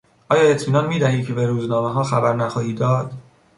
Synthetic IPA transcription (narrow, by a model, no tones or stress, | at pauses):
ʔɒːjɒːe̞t̪ʰmiːnɒːnmiːd̪æhiːd̪cʰe̞beɾuːznɒːmeɦɒːxæbæɾnæxɒːhiːd̪ɒːd̪̥